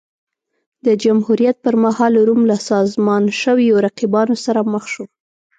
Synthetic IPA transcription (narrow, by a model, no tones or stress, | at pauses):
d̪əd͡ʒamhuɾijat̪̚pəɾmahɑlːaɾumlasɑzmɑnʃəwjoɾaqibɑnosaɾaməxʃo